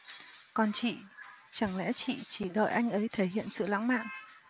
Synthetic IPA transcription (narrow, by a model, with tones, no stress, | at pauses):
kɔ˧˩nt͡ɕḭ˧˨t͡ɕa˧˩ŋlɛ̰˧˥t͡ɕḭ˧˨t͡ɕi˧˩ɗə̰ː˧˨jʔa˧jŋ̟ʔə˨˦jt̪ʰe˧˩hḭ˧˨ənsɨ̰˧˨la̰˧˥ŋma̰ː˧˨n